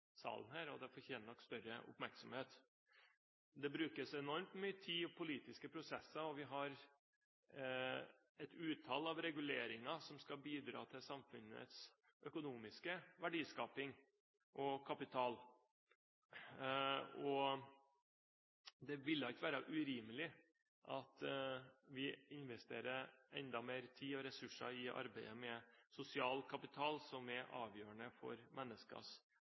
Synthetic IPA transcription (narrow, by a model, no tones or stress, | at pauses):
sɑ̰ːlənhæːɾɔd̪ɛfɔɾçeːnəɳɔkːst̪œɾə̰ʔʊ̰pmæɾksɔmheːt̪ | d̪ɛbɾʉːkəsɛnɔɾmt̪myːət̪ʰiːɔpʰʊliːt̪ɪskəpʰɾʊsɛsːɑɔʋɪɦɑɾ | ɛt̪ʉːt̪ʰɑlɑʋɾɛɡʉleːɾɪŋɑsɔmskɑbiːd̪ɾɑ̰ːt̪ʰɪlsɑmfʉnːə̰t̪s | ʔœkʊnuːmɪskəʋæɖiːskɑːpɪŋ | ʔɔkʰɑpɪt̪ʰɑːl | ɔ | d̪ɛʋɪlːɑt̪ʋæːɾɑʔʉɾiːməlɪ | ʔɑt̪ | ʋɪɪnʋɛst̪ḛːɾəɾʔɛ̰nd̪ɑmeːɾt̪ʰiːɔɾɛsʉʂɑ̰ɪʔɑ̰ɾbæɪəmɛsʊsɪɑːlkʰɑpɪt̪ʰɑːlsɔmɛʔɑːʋjøːəɳəfɔ̰ɾmʔɛnːəskɑ̰s